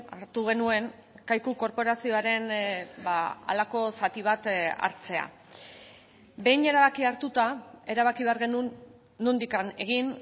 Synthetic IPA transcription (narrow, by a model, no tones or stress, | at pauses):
aɾt̪uɣ̞e̞nue̞ŋ | kajkuko̞ɾpo̞ɾasio̞aɾe̞nbaa̰lako̞sat̪iβ̞at̪a̰ɾt͡se̞a̰ | be̞jne̞ɾaβakiaɾt̪ut̪ae̞ɾaβ̞akiβe̞aɾɣe̞nuː | ond̪ikane̞ɣ̞in